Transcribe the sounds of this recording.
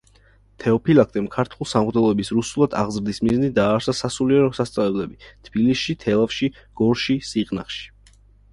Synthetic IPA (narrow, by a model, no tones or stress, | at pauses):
t̪ʰɛɔpʰilˠak̚ʰt̪ʼɛmkʰaɾt̪ʰulˠsamʁd̪ɛlˠɔɛbisɾusulˠad̪a̰ʁzɾd̪ismiznid̪aːɾsasasuliɛɾɔsast̪sʼalɛblɛbit̪ʰb̥ilisʃit̪ʰɛlˠafʃiɡ̥ɔɾʃisiqʼna̰χʃi̥